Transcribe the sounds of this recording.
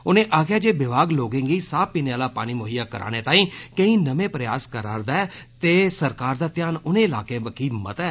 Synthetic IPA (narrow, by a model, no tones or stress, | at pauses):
ʊnẽːʔaːkjaːd͡ʒeːbɪbʱaːɡloːɡẽːŋɡiːsaːpiːneːaːlaːpa̰ːɽ̃iːmoːɦijaːkəɾa̰ːñeːt̪ãːĩːkəĩːnəmẽːpɾəjaːskəɾaːɾd̪aɛːt̪eːsəɾkaːɾd̪aːt̪ɪjaːnʊnẽːɪlaːkẽːbəkʰiːmə̰t̪ɛː